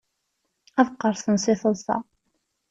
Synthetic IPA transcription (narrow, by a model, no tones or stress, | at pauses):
æðqːəɾˤθənsɪθəlsɑ̰